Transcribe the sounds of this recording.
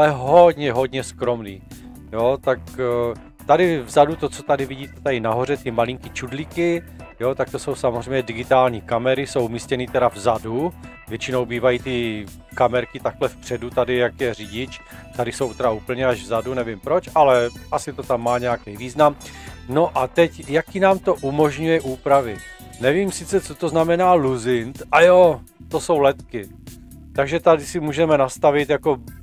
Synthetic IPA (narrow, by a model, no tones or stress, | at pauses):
alɛɦodɲɛɦo̞dɲɛskɾo̞mniː | jot̪ak | t̪adɪvzadut̪o̞t͡so̞t̪adɪvɪɟiːt̪ɛt̪aɪnaɦo̞r̝ɛt̪ɪmalɪŋkit͡ʃudlɪkɪ | jot̪ak̚t̪o̞so̞wsamozrɛjmɲɛdɪɡɪt̪aːlɲiːkamɛɾɪso̞wʔumiːscɛniːt̪ɛɾavzadu | vjɛt͡ʃɪno̞wbiːvajiːt̪ɪ | kamɛɾkɪt̪aklɛfpr̝̥ɛdut̪adɪjakjɛr̝ɪɟɪt͡ʃ | t̪adɪso̞wt̪ɛɾauːpl̩ɲɛaʒvzadunɛvɪmpɾo̞t͡ʃʔalɛʔasɪt̪o̞t̪amːaːɲɛjakɛjviːznam | no̞ʔat̪ɛcjakinaːmt̪o̞ʔumo̞ʒɲujɛʔuːpɾavɪ | nɛviːmsɪt͡sɛt͡so̞t̪o̞znamɛnaːluzɪnt̪ʔajo | t̪o̞so̞wlɛt̪kɪ | t̪aɡʒɛt̪adɪsɪmuːʒɛmɛnast̪avɪt̪jako̞